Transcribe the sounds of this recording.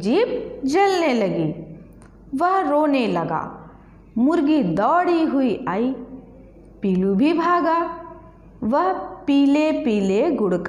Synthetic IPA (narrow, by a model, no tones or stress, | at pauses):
d͡ʒiːp̚d͡ʒɐlnelɐɡiː | ʋɐɦɾoːnelɐɡa̰ː | mʊɾɡid̪ɔːɽiɦuiʔaːiː | piːlubʱibʱaːɡaː | ʋɐɦpiːlepiːleɡʊɽka